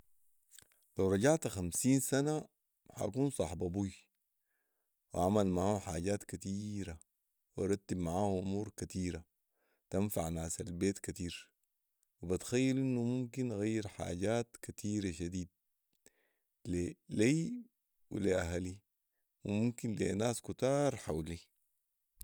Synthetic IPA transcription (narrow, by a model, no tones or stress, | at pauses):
lawɾˤɑɟaʕt̪axamsiːnsana | ha̰kuːnsˤɑħbɑbuj | wʔaʕmalmaʕaːhuħaːɟaːt̪kat̪iːɾa | wɑɾˤɑt̪ːibmaʕaːhuʔumuːɾkat̪iːɾa | t̪anfaʕnaːsalbeːt̪kat̪iːɾ | wibat̪xajːalʔinːumumkinʔaɣajːiɾħa̰ːɟaːt̪kat̪ʰiːɾaʃad̪iːd̪̚ | leliː | wḭliʔaɦali | wimumkinlḛnaːskut̪ɑːɾˤħawli